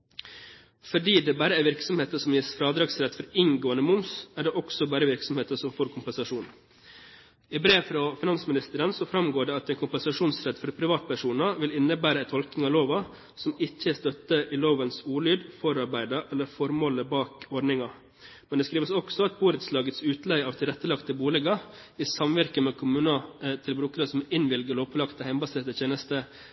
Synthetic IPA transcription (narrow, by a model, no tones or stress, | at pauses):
fɔɖiːd̪ɛbæːɾəæɾʋɪɾksɔmheːt̪əsɔmjɪsfɾɑːd̪ɾɑːɡsɾɛt̪ːfɔɾɪŋɡoːənəmʊmsæɖɛʔɔksɔbæːɾəʋɪɾksɔmheːt̪əsɔmfoːɾkʰʊmpɛnsɑʂuːn | ɪbɾeːʋfɾɑfɪnɑnsmɪnɪst̪əɾənsɔfɾɑmɡoːɖɛːɑt̪æɪnkʰʊmpɛnsɑʂuːnsɾɛt̪ːfɔɾpʰɾɪʋɑːt̪̚pæʂuːnəʋɪlɪnːəbæːɾəɛt̪ʰɔlknɪŋɑʋloːʋɑ | sɔmɪçəst̪œt̪ːəʔɪloːʋənsuːlyːd̪fɔɾɑɾbæɪd̪ɑʔɛlːəɾfɔɾmoːləbɑːkɔɖnɪŋɑ | mɛnd̪ɛskɾiːʋəsɔksɔɑt̪̚buːɾət̪slɑːɡət̪sʉːt̪læɪɑːʋt̪ʰɪlɾɛt̪ːəlɑkt̪əbuːlɛɡɑ | iːsɑmʋæɾkəmɛːkʰʊmʉːnɑt̪ʰɪlbɾʉːkəɾəsɔmɪnʋɪlɡəloːpɔlɑkt̪əhæɪmbɑseːt̪əçʰeːnəst̪ə